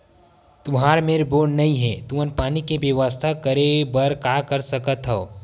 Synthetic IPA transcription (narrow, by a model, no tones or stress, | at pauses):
t̪ʊmɦaːɾmeːɾboːɖnɐĩɦɛ̃ːt̪uənpaːnikebeʋəst̪ʰakɐɾebəɾkaːkəɾsɐkət̪ɦoo